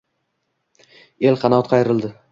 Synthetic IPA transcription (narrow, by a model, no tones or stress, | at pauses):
e̞lqʰɑnɒt̪qʰɑjɾɪld̪ɪ